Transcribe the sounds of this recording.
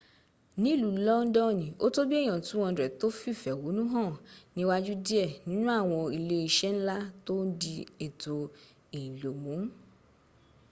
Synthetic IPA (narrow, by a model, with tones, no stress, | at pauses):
nĩ˨˦˨lu˨lɔ˦n̩˦dɔ˦˨nĩ˨o˦to˦bi˦ɛ̃˦˨ã˨tũ˨˦w̃ɔ̃˧˦dɾɛ˨to˦fi˦˨fɛ˨wo˨˦nũ˦ɦã˦˨nĩ˧˦wa˦d͡ʒu˦di˦ɛ˦˨nĩ˦nũ˦a˦˨w̃ɔ̃˧i˧˨le˧i˧ʃɛ˦n̩˦la˦to˦di˧e˨to˧ | e˨lo˨mũ˨˦